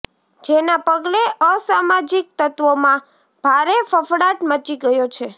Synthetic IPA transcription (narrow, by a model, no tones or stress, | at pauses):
d͡ʒenapəɡleʔəsamad͡ʒik̚t̪ət̪ʋomã | b̥ʱaɾefəfɽaʈmət͡ʃiɡəjot͡ʃʰe